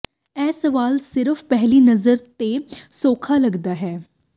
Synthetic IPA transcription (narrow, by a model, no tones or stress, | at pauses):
ɛːsɐʋaːlsɪɾəfpɛɦlinɐzəɾt̪esoːkʰalɐɡd̪aːɦɛː